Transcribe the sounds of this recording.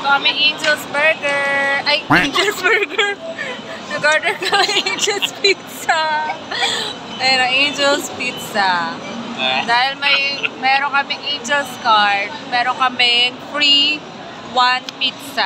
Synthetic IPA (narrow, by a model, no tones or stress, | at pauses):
t̪okɐmɐjʔẽjnd͡ʒɛlsbɛɹɡɛɹʔɐjʔend͡ʒɛlsbɛɹɡɛɹ | nɐɡaɹd̪ɛkɐmɐjejnd͡ʒɛlspit̪sa | ɐjɐnoʔejnd͡ʒɛlspit̪sɐ | d̪aːhɪlmɐjmɛːɾoŋkɐmɪŋʔejnd͡ʒɛlskaɹd̪̚mɛːɾoŋkɐmɪŋfɹi | wanpit̪sa